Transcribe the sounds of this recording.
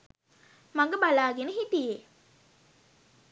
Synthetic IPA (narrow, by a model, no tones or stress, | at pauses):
maŋɡəbalaːɡenəɦit̪ije